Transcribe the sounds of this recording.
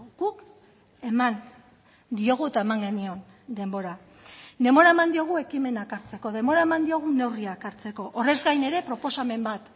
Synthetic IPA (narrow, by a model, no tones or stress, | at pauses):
ɡ̥uk | e̞man | d̪io̞ɣ̞uet̪ae̞maŋɡe̞nio̞n | d̪e̞mbo̞ɾa | ne̞mbo̞ɾaemand̪io̞ɣ̞ue̞kime̞nakaɾt͡se̞ko̞ð̞e̞mbo̞ɾaemand̪io̞ɣ̞une̞wriakaɾt͡se̞ko̞ʔore̞zɡajne̞ɾe̞pɾo̞po̞same̞mbat̪